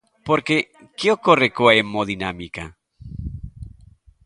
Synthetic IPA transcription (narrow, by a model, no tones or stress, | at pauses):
poɾke | keokorekoaemoðinamika